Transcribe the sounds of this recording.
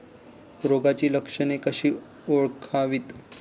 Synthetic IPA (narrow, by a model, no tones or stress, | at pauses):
ɾoɡat͡ɕiːləkʂənekəɕiː | oɭkʰaʋiːt̪